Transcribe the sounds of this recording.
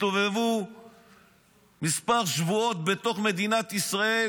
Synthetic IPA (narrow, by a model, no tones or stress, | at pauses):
t̪ovevu | mispaʁʃvuo̞t̪̚be̞t̪o̞χme̞d̪inat̪isʁae